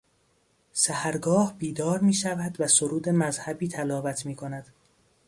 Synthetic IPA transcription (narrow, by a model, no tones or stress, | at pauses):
sæhæɾɡɒːhbiːd̪ɒːɾmiːʃævæd̪væsoɾuːd̪emæzhæbiːt̪ʰælɒːvæt̪ʰmiːkʰonæd̪̥